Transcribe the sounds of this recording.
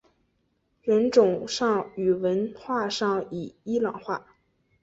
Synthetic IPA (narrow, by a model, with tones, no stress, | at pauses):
ɻə˧˥nʈ͡ʂʊ˨˩ŋʂɑ˥˩ŋy˨˩wə˧˥nxwa˥˧ʂɑ˥˩ŋi˨˩i˥lɑ˨˩ŋxwa˥˩